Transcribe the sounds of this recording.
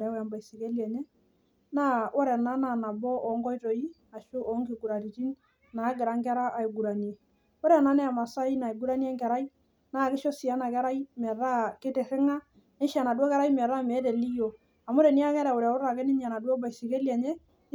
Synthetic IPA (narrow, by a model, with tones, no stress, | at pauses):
ɾɛ˨˦ja˨mba˨i˨si˨ke˦ljɛ˨ɲɛ˦ | na˦ʔɔ˦ɾɛ˨na˦na˨na˨bɔ˦ʔɔ˨˦ŋɡɔ˦jto˨i˦ | a˨ʃʊ˦ʔɔ˨˦ŋɡɪ˨ɡu˨ɾa˨ɾi˨ti˦n | na˨˦ɡɪ˨ɾa˦ŋɡɛ˦ɾa˦ʔa˨i˨ɡu˨ɾa˨n˨ɛ˨ | ɔ˦ɾɛ˨na˨˦nɛ˦a˨ma˨sa˦i˦na˨i˨ɡu˦ɾa˦ni˦ɛ˦ŋɡɛ˨ɾa˦i˦ | na˦˨kɪ˦ʃɔ˦si˨a˦na˨kɛ˦ɾa˦i˦mɛ˨ɾa˦kɪ˦tɛ˨ɾɪ˦ŋa˦ | nɪ˦ʃa˨na˨dwɔ˦kɛ˦ɾa˦i˦mɛ˨ɾa˦˨mɛ˨˦tɛ˨li˦jo˨ | a˨mʊ˦ɾe˨ni˦a˦kɛ˦ɾɛ˨ʊ˨ɾɛ˨˦ʊ˦ɾa˨kɛ˦nɪ˦ɲ˦a˨na˨dwɔ˦ba˨i˨si˨ke˦lja˨ɲɛ˦